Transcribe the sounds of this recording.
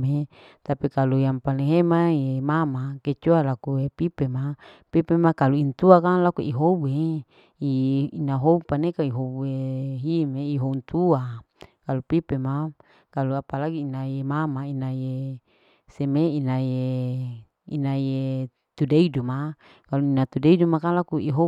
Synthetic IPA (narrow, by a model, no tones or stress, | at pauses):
e | t̪apikalujampaleɦemajemamaket͡ʃualakuepipemapipemakaluint̪uakalakuiɦobue | iinaɦoupanekaiɦobeɦimeiɦount̪ua | kalupipema | kaluapalaɡiːnajemamainaje | semeinaje | ḭnaje | t̪udeiduma | kaluinat̪udeidumakalakuiɦo